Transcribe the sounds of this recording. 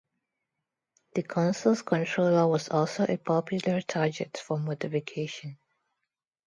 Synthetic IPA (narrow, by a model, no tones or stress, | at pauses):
d̥əkʰɔ̃nsəlskʰɔ̃ntʰɹoləwɔsɔlsoʔepʰɔpʰjləɹtʰaɡɛtfɔmotɪfikʰeʃə̃n